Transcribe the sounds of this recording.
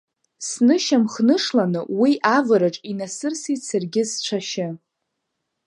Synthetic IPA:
snɨʃamχnɨʂlanɨwiʔavɨɾaʈ͡ʂʼinasɨrsisɨrɡʲɪst͡ʃʷʰaʃɪ

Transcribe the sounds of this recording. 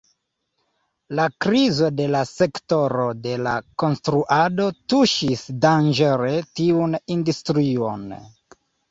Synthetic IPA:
lakɾizo̞de̞lase̞kto̞ɾo̞de̞la̰ko̞nstɾuʔado̞tuʃisdand͡ʒeɾe̞tiunindustɾio̞̰n

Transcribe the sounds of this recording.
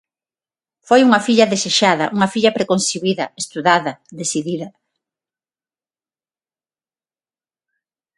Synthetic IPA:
fojuŋɐfiʎɐðeseʃaðɐʔuŋɐfiʎɐpɾekonsiβiðɐest̪uðaðɐðesiðiðɐ

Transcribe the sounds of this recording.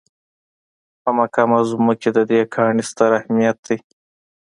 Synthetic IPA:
pamakamazuməked̪əd̪ekʰɑːɳist̪aɾahmijat̪̚d̪ij

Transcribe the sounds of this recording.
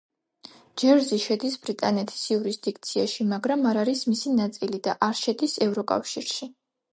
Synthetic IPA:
d͡ʒɛɾzɛʃɛd̪isbɾit̪ʼanɛt̪ʰi̥sjuɾisd̪ik̚ʰt̪sʰiaʃimaɡɾamaɾaɾismisinat̪sʼilid̪aʔaɾʃɛd̪isɛvɾɔkʼa̰fʃiɾʃi

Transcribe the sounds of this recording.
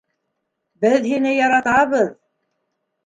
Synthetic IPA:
bɘðɦinɘjɑɾɑt̪ɑβɤð

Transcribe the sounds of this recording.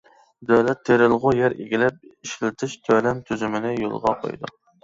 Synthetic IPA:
d̪æwlɛt̪ʰːeɾɪlˠʁʊjɛɾḛɡʲilɛp̚iʃlt̪ʰɪʃt̪ʰølɛmt̪ʰyzymɪnɪjo̰lˠʁɑ̰qʰo̰jd̪ṵ

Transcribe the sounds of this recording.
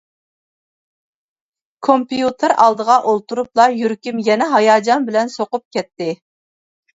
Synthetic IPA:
kʰompijut̪ʰɨɾɑlˠd̪əʁɑʔolˠt̪uɾuplˠɑjyɾkʲymjɛnɛɦɑjɑːd͡ʒɑnbɪlɛnsoqʊp̚kʲʰɛt̪ːɪ

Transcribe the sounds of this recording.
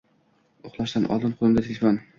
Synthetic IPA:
ʊχlˠaʃd̪anʔɒ̰d̪ɪmqʰolˠɪmd̪at̪ʰelʲefon

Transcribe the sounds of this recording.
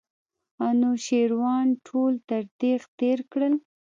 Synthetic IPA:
anoʃeɾwɑnʈʰolt̪aɾd̪ext̪eɾkɽəl

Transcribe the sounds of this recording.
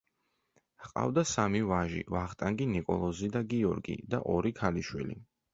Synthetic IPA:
qʼa̰vd̪asamivaʒḭvaχt̪ʼaŋɡinikʼɔ̰lˠɔzid̪aɡiɔɾɡḭd̪aʔɔɾikʰaliʃwḭlḭ

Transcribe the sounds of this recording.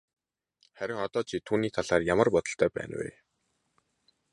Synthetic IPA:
χæɾʲɪ̆ŋɔt̪ɔːt͡ɕʰiːt̪ʰuːniːt̪ʰaɮaːrjamə̆rpɔt̪ɞ̆ɬt̪ʰœːpæ̰ːnwḛː

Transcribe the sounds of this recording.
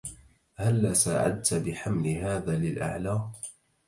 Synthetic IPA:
halːaːsaːʕa̰d̪̚t̪abɪħamlɪɦaːðaːlɪlʔa̰ʕlaː

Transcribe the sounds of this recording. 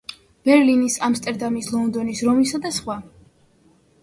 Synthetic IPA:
b̥ɛɾlinisamst̪ʼɛɾd̪amislˠɔnd̪ɔnisɾɔmisad̪asχwa

